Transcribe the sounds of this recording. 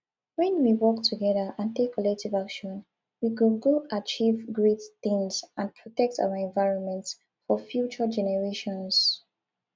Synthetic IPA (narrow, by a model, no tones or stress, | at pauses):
wɛ̃nwiwɔk̚tʰuɡɛðəʔãntekʰːɔlɛk̚tivakʃɔ̃n | wikulɡoat͡ʃivɡɹetθɪ̃ŋsãnpʰɹɔtɛk̚tʰa̰wəɛ̃nvaɪɹɔ̃nmɛ̃nts | fɔfjut͡ʃəd͡ʒɛnɛɹeʃɔ̃ns